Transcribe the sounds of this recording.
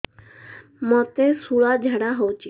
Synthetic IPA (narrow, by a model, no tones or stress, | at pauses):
mɔt̪esuɭad͡ʒʱəɽaɦowt͡ʃʰi